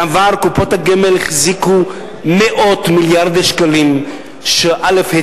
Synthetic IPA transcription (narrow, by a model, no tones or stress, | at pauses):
avaʁkupot̪haɡimelχziku | meʔo̞t̪miljaʁd̪eʃkalim | ʃeʔalefhe